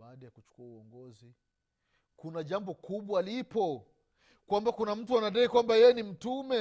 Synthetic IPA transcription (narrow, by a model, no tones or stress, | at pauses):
aːɗajakut͡ʃu̥kuauɔŋɡɔzi | kunaʄambɔkuɓwaːlipɔ | kwambakunam̩tuanaɗaikwambajɛjɛnim̩tumɛ